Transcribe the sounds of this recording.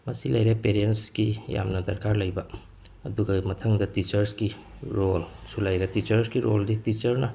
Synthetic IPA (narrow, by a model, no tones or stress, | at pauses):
mɐsilɐjɾepeɾiensɡija̰mnɐdɐɾkaɾlɐjbɐ | ɐduɡɐmɐtʰɐŋdɐtit͡ʃɐɾski | ɾolsulɐjɾetit͡ʃɐɾskiɾolditit͡ʃɐɾnɐ